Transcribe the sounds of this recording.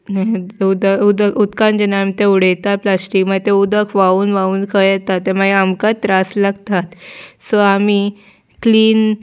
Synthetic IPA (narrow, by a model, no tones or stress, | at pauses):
ud̪əud̪əkud̪kãnd͡ʑɛnaamit̪euɽ̤ejt̪aplasʈikmaɡt̪ẽud̪əkʰʋauːnʋauːnkʰəɛt̪at̪ːemaɡiamkat̪ɾaslaɡt̪at̪səami | kliːn